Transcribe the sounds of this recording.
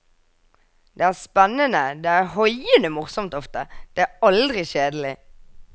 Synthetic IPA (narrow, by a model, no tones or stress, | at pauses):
d̪eːæːʁspɛnːənəd̪eːæːʁhɔʏənəmʊʁsɔmt̪ɔft̪əd̪̥eːæːɑld̪ʁɪʃeːd̪əl̩ɪ